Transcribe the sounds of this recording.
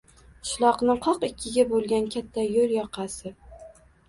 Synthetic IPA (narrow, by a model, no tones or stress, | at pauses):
ʃlˠɒqnɪqʰɒqɪkʲʰːɪɡʲabolˠɡʲankʲʰat̪ʰːajoljɒqʰɑsɪ